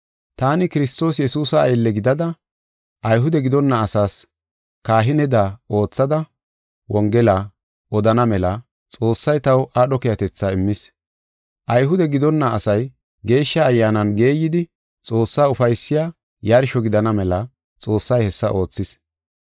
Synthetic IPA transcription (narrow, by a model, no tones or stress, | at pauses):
t̪aːnɪkɪɾɪst̪o̞ːsjɛsuːsɐːjlːɛɡɪd̪ɐd̪ɐ | ʔɐjɦʊd̪ɛɡɪd̪ɔnːɐːsaːs | kaːɦɪnɛd̪ao̞ːt͡sːɐd̪ɐ | wɔŋɡɛla | ʔɔd̪ɐnɐmɛlɐ | t͡sʼo̞ːsːɐjt̪ɐwʔaːɗɔkɛjɐt̪ɛt͡sːaɪmːɪs | ʔɐjɦʊd̪ɛɡɪd̪ɔnːɐːsɐj | ɡe̞ːʃːɐːjːaːnɐnɡe̞ːjːɪd̪ɪ | t͡sʼo̞ːsːaːʊfɐjsːɪjaː | jaɾɪʃɔɡɪd̪ɐnɐmɛlɐ | t͡sʼo̞ːsːɐjhɛsːɐʔo̞ːt͡sːɪs